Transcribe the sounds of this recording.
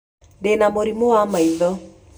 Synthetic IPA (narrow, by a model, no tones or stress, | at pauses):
ndenamoɾimowamaiðɔ